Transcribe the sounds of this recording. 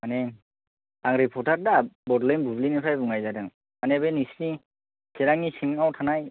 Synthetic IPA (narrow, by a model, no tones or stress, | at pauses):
anɛ | aŋɹipʰɔɹtʰaɹdabɔdlɛnbʱublinɛpʰɹajbuŋajzadaŋ | manɛbɛnisni | sɛɾaŋisiŋawtʰanaj